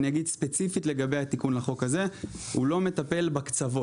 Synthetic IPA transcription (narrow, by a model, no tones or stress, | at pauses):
niaɡid̪spe̞t͡sifitle̞ɡabejhat̪ikunlaχo̞kaze̞hṵlo̞me̞t̪ape̞lbakt͡savo